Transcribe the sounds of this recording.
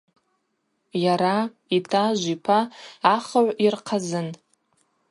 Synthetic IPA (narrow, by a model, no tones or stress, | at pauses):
jaɾa | itʰaʒʷipʰaːχaʕʷirqʰazɨn